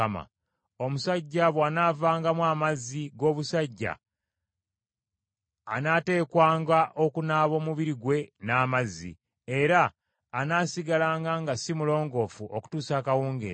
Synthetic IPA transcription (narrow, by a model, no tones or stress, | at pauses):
ma̰ | o̞musaɟːaβwaːnaːvaːŋɡamwaːmazːiɡo̞ːβusaɟːa̰ | naːte̞ːkwaːŋɡaʔo̞kunaːβo̞ːmuβiɾiɡwe̞naːmazːḭ | e̞ɾaː | naːsiɡalaːŋɡaŋɡasimulo̞ːŋɡo̞fuʔoku̥tuːsaːkawuːŋɡḛ